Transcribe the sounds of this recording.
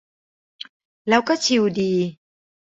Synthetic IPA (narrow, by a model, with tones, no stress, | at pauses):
la˧wka˦˥t͡ɕʰi˨˩˨wdi˨˩